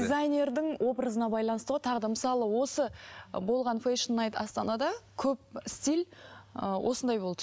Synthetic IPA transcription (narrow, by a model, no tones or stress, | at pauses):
dʲizajnʲe̞ɾd̪ɪŋwʔo̞bɾəzənɑbɑjlˠɑnəst̪əʁojt̪ʰɑʁd̪ɑməsɑlˠəwo̞səbo̞lˠʁɑnfeʃnːɑjt̪ɑ̰st̪ɑnɑd̪ɑkʲʰɵp̚ɪst̪il | wʔo̞̰sənd̪ɑjbod̪ə